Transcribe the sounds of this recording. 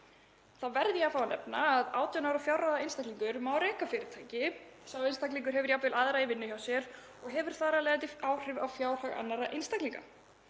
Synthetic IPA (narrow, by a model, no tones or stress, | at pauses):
θaðvɛɾðjafaːwanɛ̰pnaːðaːwt̪ʰijanawɾafjawraðaɪnst̪akliŋkʏɾmawɾɛːkafɪːɾɪɾ̥t̪ʰaːjcɪsawɪnst̪akliŋk̬ʏɾ̥ɦɛvʏɾjapvɪlaðɾaivɪnːʏçawsjɛɾ | ɔɣɦɛvʏɾ̥θaːɾalɛːɣat̪̬ɪaːwr̥ɪvawfjaːwɾ̥haɣa̰nːaɾaʔɪnst̪akliŋka̰